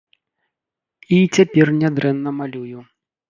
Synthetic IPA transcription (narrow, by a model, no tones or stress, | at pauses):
it͡sʲapʲɛrnʲad̪ɾɛnːɐmalʲuju